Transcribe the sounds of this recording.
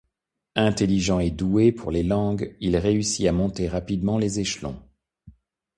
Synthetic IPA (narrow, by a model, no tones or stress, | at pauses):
ɛ̃t̪eliʒɑ̃ed̪uepʰuʁlelɑ̃ɡilʁeysiamɔ̃t̪eʁapid̪mɑ̃lezeʃlɔ̰̃